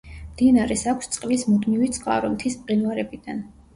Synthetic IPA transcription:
md̪inaɾɛsakʷʰst̪sʼqʼlismud̪mivit̪sʼqʼa̰ɾunt̪ʰispʼqʼinwaɾɛbid̪an

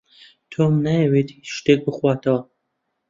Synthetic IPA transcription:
t̪ʰoːmnajɛweːt̪ʰiʃt̪eːk̚bɨxwaːt̪ʰɐwɐ

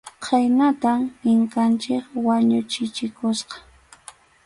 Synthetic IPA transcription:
qʰajnat̪amɪŋkant͡ʃɪkwaɲʊt͡ʃɪt͡ʃɪkʊsqɑ̥

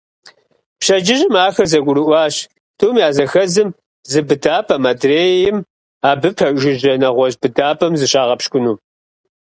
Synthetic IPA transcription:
pɕɐd͡ʒɪʑɪmaːxɐrzɐɡʷʊɾɨʔʷɑːɕ | tʰuːmjaːzɐxɐzɨm | zɨbɨdaːpʰʼɐmadreːjɪm | aːbɨpʰɐʒɪʑɐnɐʁʷɔʑbɨdaːpʰʼɐmzɨɕaːʁɐpʃkʷʊnuː

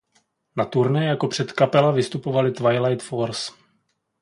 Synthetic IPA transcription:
nat̪uɾnɛjako̞pr̝̥ɛt̪kapɛlavɪst̪upo̞valɪt̪vajlajt̪foɾs

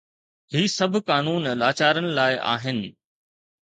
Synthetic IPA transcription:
ɦiːsɐbʱʊkaːnuːnlaːt͡ɕaːɾənɪ̆laːɪʔa̰ːɦɪnɪ̆

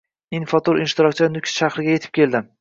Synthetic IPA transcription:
infat̪ʰoɾɪnʃt̪ɪɾɒkʲt͡ʃʰɪnʊkʲsʃaχɾɪɡʲaje̞t̪ʰɪ̥p̚kʲe̞ld̪ɪm

